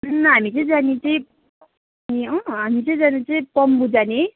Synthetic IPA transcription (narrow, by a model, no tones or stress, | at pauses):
nɦamit͡sʌĩd͡zanit͡sʌĩ | iʌɦamit͡sʌĩd͡zanit͡sʌĩpʌmbud͡zane